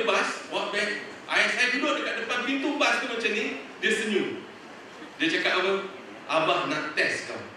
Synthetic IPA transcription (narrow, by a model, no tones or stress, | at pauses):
baswɔʔ̚bɛk̚ | ʔaɛsadudoʔ̚dəkaʔ̚dəpanpint̪ubast̪umat͡ʃamnĩdiəsəɲu | diət͡ʃakat̪awəŋ | abahnãʔt̪ɛska̰w